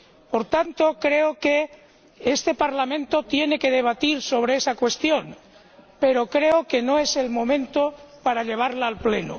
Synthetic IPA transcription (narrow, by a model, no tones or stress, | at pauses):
po̞ɾt̪ant̪okɾe̞oke | est̪e̞paɾlamẽnt̪o̞t̪je̞ne̞ke̞ðeβ̞at̪iɾso̞β̞ɾeesakwe̞st̪jo̞n | pe̞ɾo̞kɾe̞oke̞noe̞se̞lmõ̞mẽnt̪opaɾaʎe̞β̞aɾlaːlpleno̰